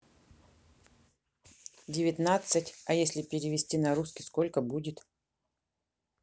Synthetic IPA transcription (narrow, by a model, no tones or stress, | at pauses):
dʲɪvʲɪt̪nat̪sɨtʲɐjesʲlʲɪpʲɪɾʲɪvʲɪsʲtʲinɐɾuskʲɪskolʲkəbudʲɪt̪